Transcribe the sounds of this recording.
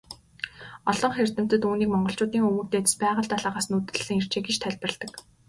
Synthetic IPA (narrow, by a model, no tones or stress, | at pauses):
ɔɮɞ̆ŋχer̥t̪ɘ̆m̥t̪ɘ̆t̪uːniːkmɔɴɢɞ̆ɬt͡ɕʊːt̪iːŋxɵmuːt̪eːt̪̆spæːʁə̆ɬt̪aɮaːʁaːsnut̪ɘ̆ɮːɘ̆ŋer̥t͡ɕeːɡit͡ɕt̪ʰæɮʲprə̆ɮt̪ə̆k